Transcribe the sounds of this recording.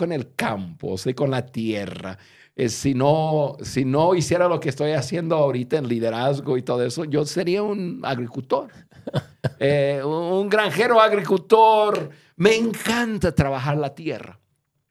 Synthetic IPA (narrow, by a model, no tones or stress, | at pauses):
one̞lka̰mpo̰siko̞nlat̪je̞ra̰ | esinosino̞isje̞ɾalo̞kest̪o̞jasje̞nd̪oaoɾit̪aenliðe̞ɾazɣo̞it̪o̞ðoeso̞ʝo̞se̞ɾiauna̰ɣɾikult̪o̞ɾ | euŋɡɾaŋxe̞ɾoaɣɾikult̪oɾ | me̞ːŋkant̪at̪ɾaβaxaɾlat̪je̞̰ra̰